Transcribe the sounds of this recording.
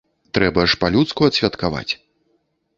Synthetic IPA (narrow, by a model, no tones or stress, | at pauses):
t̪ɾɛbɐʂpalʲut̪skuɐt̪sʲvʲɐt̪kava̰t͡sʲ